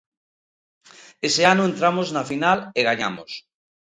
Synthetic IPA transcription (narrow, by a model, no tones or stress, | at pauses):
eseanoent̪ɾamoznafinaleɣaɲa̰mos